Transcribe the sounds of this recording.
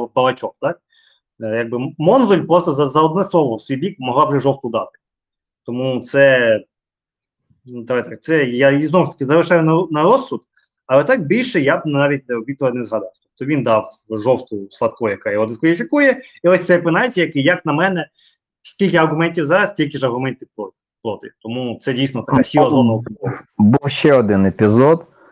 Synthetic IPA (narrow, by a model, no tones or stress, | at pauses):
bɐlˠɐt͡ʃɔkt̪ɑk̚ | jaɡ̚bɪmɔnʋɪlʲpɾɔst̪ɔzɐzɐɔd̪nɛslˠɔʋɔwsʲʋʲijbʲikmɔɦlˠɑabʒɛʒɔwt̪ʊd̪ɑt̪ɪ̥ | t̪ɔmut̪sɛ | nud̪ɐʋajt̪ak̚t̪sɛjaiznɔʋʊʃt̪ɐ̥kʲɪzɐlɪʃɑjʊnɐnɐɾɔsːʊd̪ | ɐlˠɛt̪ɑk̚bʲilʲʃɛjabnnɑʋʲit̚ʲnɛɔbʲit̪ɪlˠɐnɛzɦɐd̪ɑwt̪ɔp̚t̪ɔʋʲind̪ɑwʒɔwt̪ʊsʋɐt̪kɔjɐkajɔɦɔd̪ɪskʋɐlʲifʲikujɛiɔsʲt̪sɛpɪnajʲtʲijɐkɪjɐknɐmɛnɛ | sʲkʲilʲkʲɪɐrɦʊmɛnʲtʲiwzɑɾɐstʲilʲkʲɪʒɐrɦʊmɛnʲtʲɪwpɔ | plˠɔt̪ɪ̰t̪ɔmut̪sɛdʲijsnɔt̪ɐkasʲilˠɐzɔnɐɔsbuwʃɛɔd̪ɪnepʲizɔd̪